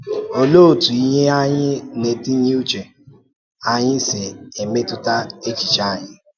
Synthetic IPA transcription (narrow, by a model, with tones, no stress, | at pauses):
o˦lo˦˨tu˨i˦ɲe˦a˦ɲɪ˦ne˨ti˦ɲi˦u˦t͡ʃe˨ | a˦ɲɪ̃˦se˨e˨me˦tʊ˦ta˦e˦t͡ʃi˨t͡ʃa˦˨ɲɪ̃˦